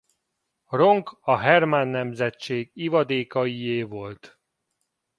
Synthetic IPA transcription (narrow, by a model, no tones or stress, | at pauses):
ro̞ŋkɒɦɛrmanːɛmzɛt͡ʃːeːɡivɒd̪eːkɒijeːvo̞lt̪